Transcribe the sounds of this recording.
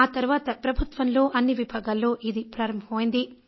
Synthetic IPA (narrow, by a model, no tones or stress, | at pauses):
aːt̪ɐɾuʋaːt̪ɐpɾɐbʱut̪ʋɐnlo̞ːʔɐnːiʋibʱaːɡɐlːo̞ːʔid̪ipɾaːɾɐmbʱɐɐmɐːjind̪i